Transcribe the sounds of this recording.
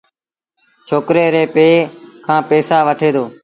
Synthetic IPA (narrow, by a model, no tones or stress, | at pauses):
t͡ʃʰoːkɾeːɾeːpeːkʰãːpeːsaːʋəʈʰeːd̪oː